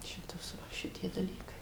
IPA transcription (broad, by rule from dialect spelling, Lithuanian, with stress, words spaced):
ˈʃʲɪtoːs ˈʋɐ ˈʃʲɪtʲiɛ dɐˈlʲiːkɐɪ